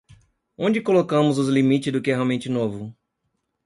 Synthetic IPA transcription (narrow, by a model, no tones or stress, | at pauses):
õnd͡ʒɪkolokɐ̃mʊzʊzlimit͡ʃɪzd̪ʊkɪɛɦeawmẽnt͡ʃɪnovʊ